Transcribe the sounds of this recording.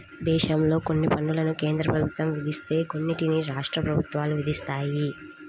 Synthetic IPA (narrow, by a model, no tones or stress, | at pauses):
d̪ɛːʃɐmlo̞ːko̞nːipɐnːulɐnukeːnd̪ɾɐpɾɐbʱut̪ʋɐmʋid̪ʱist̪e̞ːko̞nːiʈiniɾaːʂʈɾɐpɾɐbʱut̪ʋaːluʋid̪ʱist̪aːji